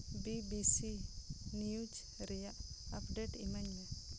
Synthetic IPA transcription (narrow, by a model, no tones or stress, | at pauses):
bibisinijud͡ʒ | ɾɛjaʔapɖɛʈḭmaɲmɛ